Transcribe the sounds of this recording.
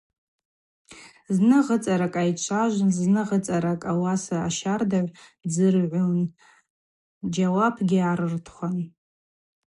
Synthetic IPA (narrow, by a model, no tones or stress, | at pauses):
znɨʁət͡sʼaɾakʼajt͡ʃʷʰaʒʷznɨʁət͡sʼaɾakʼawasaaʃardaʕʷd͡zɨrʕʷun | d͡ʒawapʰɡʲɪaɾɨrtʰχʷan